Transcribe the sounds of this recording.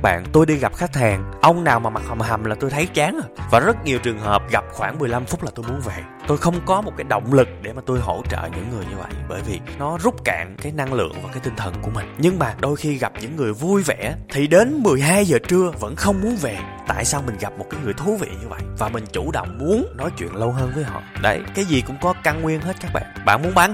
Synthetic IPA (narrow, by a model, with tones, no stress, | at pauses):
ɓa̰ː˧˨nt̪o˧jɗi˧ɣa˨˩p̚xa˦˥k̚t̪ʰaː˨˩ŋʔə˧wŋ͡mnaː˨˩wmaː˨˩ma˨˩k̚ha˨˩mha˨˩mlaː˨˩t̪o˧jt̪ʰə˨˦jt͡ɕaː˨˦nː˧˩vaː˨˩zə˦˥t̚ɲi˨˩əwt͡ɕɨ˨˩əŋɦəː˨˩p̚ɣa˨˩p̚xwaː˧˩nmɨ˨˩əjla˧mfʊ˦˥k͡p̚laː˨˩t̪o˧jmu˨˦ənve˨˩ | t̪o˧jxə˧wŋ͡mkɔ˨˦mo˨˩t̚kaː˨˦jɗə̰˧˨wŋ͡mlɨ˨˩k̚ɗe˧˩maː˨˩t̪o˧jɦo̰˧˩t͡ɕə̰ː˧˨ɲɨ̰˧˥ŋːɨ˨˩əjɲɨ˧və̰˧˨jɓəː˧˩jvi˨˩nɔ˨˦zʊ˦˥k͡p̚ka̰ː˧˨ŋkaː˨˦jna˧ŋlɨ̰˧˨əŋvaː˨˩kaː˨˦jt̪ï˧ŋ̟t̪ʰə˨˩nku˧˩əmï˨˩ŋɲɨ˧ŋmaː˨˩ɗo˧jxi˧ɣa˨˩p̚ɲɨ̰˧˥ŋːɨ˨˩əjvu˧jvɛ˧˩t̪ʰi˨˩ɗe˨˦nmɨ˨˩əjɦaː˧jzəː˨˩t͡ɕɨ˧əvə̰˧˥nxə˧wŋ͡mmu˨˦ənve˨˩t̪a̰ː˧˨jsaː˧wmï˨˩ŋ̟ɣa˨˩p̚mo˨˩t̚kaː˨˦jŋɨ˨˩əjt̪ʰu˨˦vḭ˧˨ɲɨ˧və̰˧˨jʔvaː˨˩mï˨˩ŋ̟t͡ɕu˧˩ɗə̰˧˨wŋ͡mmu˨˦ənnɔ˨˦jt͡ɕwḭ˧˨ənlə˧wɦəː˧nvəː˨˦jɦɔ̰˧˨ɗə̰˨˦jkaː˨˦jzi˨˩kʊ̰˧˥ŋ͡mkɔ˨˦ka˧nŋwi˧ənɦe˦˥t̚kaː˦˥k̚ɓa̰ː˧˨nɓa̰ː˧˨nmu˨˦ənɓaː˨˦n